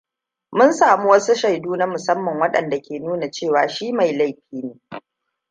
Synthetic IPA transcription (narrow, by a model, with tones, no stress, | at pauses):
mʊ˦nsaː˨mu˦wɐ˦su˦ʃa˨jduː˦na˦mʊ˨sɐ˦mːɐ˨ŋwɐ˦ɗɐ̰˨nda˨kʲeː˨nuː˦na˨t͡ʃeː˦˨waː˨ʃiː˦ma˨jla˦jɸiː˦neː˨˦